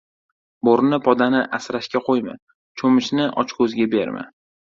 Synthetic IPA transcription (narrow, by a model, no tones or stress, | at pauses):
boɾnɪpʰɒd̪anɪʔasɾaʃkʲaqʰojmɪ̰ | t͡ʃʰomɪʃnɪʔɒ̰t͡ʃkʰɵzɡʲabe̞ɾmɪ̰